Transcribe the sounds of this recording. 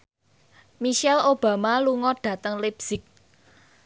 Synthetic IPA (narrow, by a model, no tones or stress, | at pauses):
miʃɛlob̥ä̤maluŋɔɖ̥ä̤t̪əŋlibsɪk̚